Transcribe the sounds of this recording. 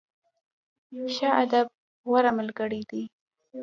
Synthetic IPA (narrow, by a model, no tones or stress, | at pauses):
ʃaʔad̪ab̚ | ɣaɾaməlɡəɽid̪i